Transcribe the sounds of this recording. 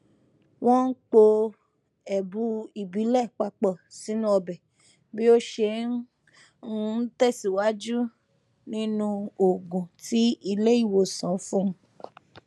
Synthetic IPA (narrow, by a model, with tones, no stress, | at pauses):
w̃ɔ̃˦n̩˦k͡po˧ | ɛ˨bu˦i˨bi˨˦lɛ˦˨k͡pa˧k͡pɔ˦˨si˨˦nũ˦ɔ˧bɛ˨ | bi˦o˦ʃe˧˦ | tɛ˦˨si˨wa˦d͡ʒu˦ | nĩ˦nũ˧o˨ɡũ˨ti˦i˧le˦i˦˨wo˨sã˨˦fũ˦m̃˦